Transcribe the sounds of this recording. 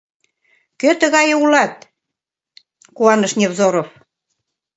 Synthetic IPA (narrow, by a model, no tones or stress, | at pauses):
køt̪ə̆ɣɑjulɑt̪̚ | kuɑnɤ̆ʃnʲevzoɾof